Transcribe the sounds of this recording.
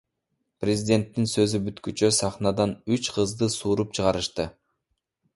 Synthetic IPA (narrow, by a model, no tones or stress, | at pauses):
prʲezʲɪdʲe̞nt̪ːinsø̞zybyt̪kyt͡ʃøsɑχnɑd̪ɑnyt͡ʃqʰɯzd̪ɯsuːɾupt͡ʃʰɯʁɑɾɯʃt̪ɯ